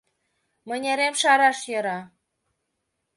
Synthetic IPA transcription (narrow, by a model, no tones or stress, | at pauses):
mə̆nʲeɾemʃɑɾɑʃjɤ̆ɾɑ